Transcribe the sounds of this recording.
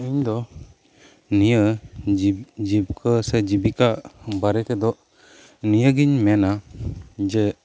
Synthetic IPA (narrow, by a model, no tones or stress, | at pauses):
iɲd̪ɔ | nijəid͡ʒibkʰəsed͡ʒibikabaɾɛt̪ɛd̪ɔ | nijəɡiɲmɛna | d͡ʒɛ